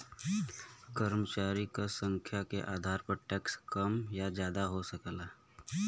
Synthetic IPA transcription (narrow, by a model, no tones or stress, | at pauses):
kəɾmət͡ʃaːɾikasə̃ŋkʰjakḛʔaːd̪ʱaːɾpəɾʈɛkskəmjad͡ʒjaːd̪aɦosəklaː